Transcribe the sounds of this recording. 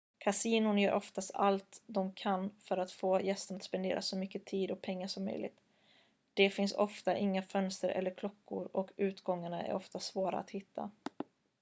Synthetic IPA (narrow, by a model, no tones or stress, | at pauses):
kʰasiːnʊɳjœːɾʔɔft̪ast̪alt̪d̪ɔmkʰanːfœɾat̪foːjɛst̪əɳat̪spɛnd̪ḛːɾʔa̰sɔmʏkːət̪ʰiːd̪ɔk̚pʰɛŋːaʂɔmːœ̰jlʔɪ̰ɡt̪ | d̪̥ɛfɪnsɔ̰ft̪aʔɪŋːafœnst̪əɾʔɛ̰lːəɾkʰlɔkːʊ̰ɾɔkʉ̟ːt̪ɡɔŋːaɳaæ̰ɾɔft̪asvoːɾa̰a̰t̪hɪt̪ʰːa̰